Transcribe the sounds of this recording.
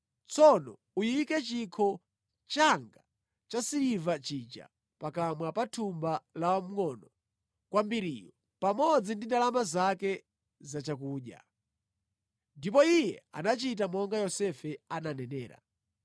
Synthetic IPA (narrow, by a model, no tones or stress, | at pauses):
t͡sɔnɔ̰ | ujiikɛt͡ʃikʰɔ | t͡ʃaŋɡa | t͡ʃasiɾivat͡ʃit͡ʃa̰ | pakamwapatʰumbalawam̩ŋɔnɔ | kwambiɾiːjɔ | pamɔd͡zindindalamazakɛ | zat͡ʃak̬uːɗja̰ | ndipɔijɛ̰a̰nat͡ʃit̬amɔŋɡajɔsɛfɛananɛnɛːɾa̰